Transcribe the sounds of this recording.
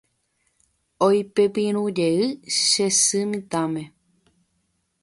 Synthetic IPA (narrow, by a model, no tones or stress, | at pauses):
ojpepĩɾ̃ũd͡ʒeɨʃesɨmĩt̪ãmẽ̞